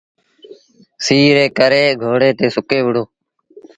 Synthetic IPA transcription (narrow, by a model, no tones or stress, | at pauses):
siːɾeːkəɾeːɡʱoːɽeːt̪eːsʊkeːʋʊɽoː